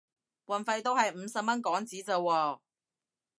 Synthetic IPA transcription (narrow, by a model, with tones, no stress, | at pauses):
wɐ˨˩nfɐ˧jt̪o˥whɐ˨jm̩˨˧˥sɐ˨p̚mɐ˥nkɔː˨˥ŋt͡siː˨˥t͡sɐ˨˧wːɔː˧